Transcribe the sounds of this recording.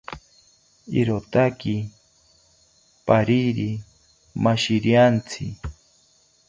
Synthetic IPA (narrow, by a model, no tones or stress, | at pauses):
ḭɾot̪akɪ | paɾiɾi | maʃɪɾjant͡sʰɪ